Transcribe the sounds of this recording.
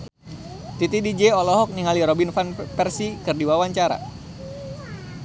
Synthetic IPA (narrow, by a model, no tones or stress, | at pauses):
t̪it̪idid͡ʒɛɔlɔɦɔk̚niŋaliɾɔbinfanpɛrsikɨrdiwawaɲt͡ʃaɾa̰